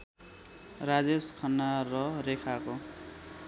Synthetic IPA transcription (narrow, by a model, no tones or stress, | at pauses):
rad͡zeskʰʌnːarʌɾekʰako